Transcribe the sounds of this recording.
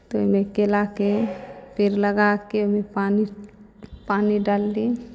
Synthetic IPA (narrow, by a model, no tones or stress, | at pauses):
t̪omekelakepʰeɾləɡakeomepani | paniɖalːi